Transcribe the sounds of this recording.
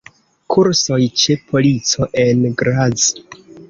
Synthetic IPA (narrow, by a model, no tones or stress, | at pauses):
kʰuɾso̞jt͡ʃe̞pʰo̞lit͡so̞ʔe̞nɡɾaz